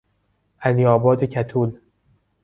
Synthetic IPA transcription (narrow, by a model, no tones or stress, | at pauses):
ʔæniːɒːbɒːd̪ecʰæt̪ʰuːl